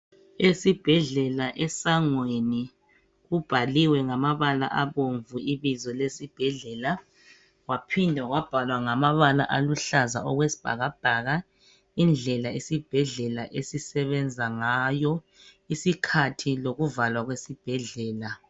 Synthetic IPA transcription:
esib̥ʱɛɮɛlaʔɛsaŋweni | ɣub̥ʱaliwɛŋamaβala̰ʔaβoɱvuiβizɔlesib̥ʱɛɮɛla | wapʰindʱaɣwab̥ʱalwaŋamaβala̰ʔaluɬaza̰ɔɣwesi̥b̥ʱa̰ɣab̥ʱaɣa | ind͡ɮʱɛlaesib̥ʱɛɮɛlaʔesisɛβɛnd͡zʱaŋajɔ | isikʰatʰiloɣuvalwaɣwesib̥ʱɛɮɛːla

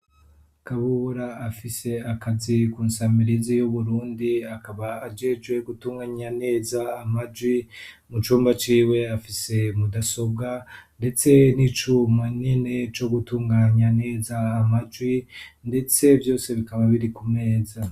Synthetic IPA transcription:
kaβuβuɾaːfise̞akazikuːnsamiɾizijuβuɾuːndiakaβaːd͡ʒe̞d͡ʒɡwe̞ɡutuːŋɡaɲane̞ːzaːmad͡ʒwi | mut͡ʃuːmbat͡ʃiːwe̞afise̞mudaso̞b̚ɡande̞t͡se̞nit͡ʃumwanine̞t͡ʃo̞ɡutuːŋɡaɲane̞ːzaːmad͡ʒɡwinde̞t͡se̞vjo̞ːse̞βikaβaβiɾikume̞ːza

